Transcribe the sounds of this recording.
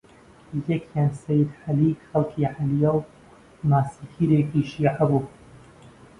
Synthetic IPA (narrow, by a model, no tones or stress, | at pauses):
jɐkʰjaːnsɛjɪd̪ħɐliːkxɐlkʰiːʕalijɛw | naːsikʰiːɾeːkiːʃiːʕabuː